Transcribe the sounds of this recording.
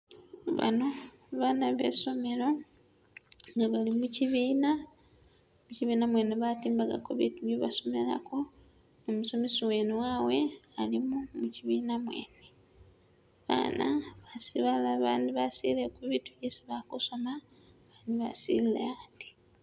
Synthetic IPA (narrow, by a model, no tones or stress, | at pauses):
βa̰no̞ | βanaβḛso̞me̞ɾo̞ | ŋɡaβalimuciβiːna | muciβiːnamwe̞neβatiːmbaɡa̰koβituβeβaso̞me̞̰la̰ko̞ | nomuso̞mesowenuwawe̞alimumuciβiːnamwe̞̰ːne | βa̰na̰βasiβalaβandiβasilekuβitu̥jesiβakuso̞ma | βaːndiβa̰sḭlilḛandi̥